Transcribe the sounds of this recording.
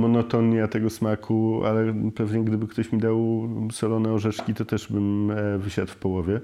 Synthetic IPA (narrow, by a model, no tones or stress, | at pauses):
mɔnɔt̪ɔnat̪ɛɡɔsmakʰua̰lɛpɛvɲɛɡd̪ɘbɘkt̪ɔɕmʲid̪awsɛlɔnɛɔʐɛt͡ʂkʲit̪ɔt̪ɛʐbɘmvɘɕat̪fpɔwɔvʲjɛ